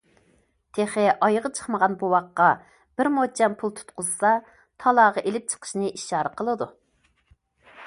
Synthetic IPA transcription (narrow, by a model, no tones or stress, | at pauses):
t̪ʰeχɪʔɑjʁət͡ʃʰə̥χməʁɑnbuwɑqːɑ | b̥ɪɾmot͡ʃʰɛnpʰulˠt̪ʰu̥t̪̚qʊzsɑ | t̪ʰɑlˠɑːʁɑʔelɪp̚t͡ʃʰə̥qʰə̥ʃnɨʔiʃɑːɾəqʰəlˠɨd̪u